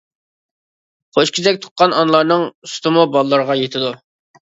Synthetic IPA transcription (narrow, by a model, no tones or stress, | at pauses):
χʰoʃkʲizɛk̚ʲt̪ʰʊ̥qːɑnɑnlˠɑɾnɨŋusu̥t̪ɨmubɑlˠəlːˠəɾəʁɑjet̪ʰɪd̪u